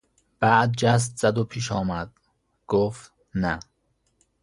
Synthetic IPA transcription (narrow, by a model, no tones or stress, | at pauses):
b̥æʔd̪̚d͡ʒæs̬t̪z̥æd̪opʰiːʃɒːmæd̪̥ | ɡ̥oːft̪ | næ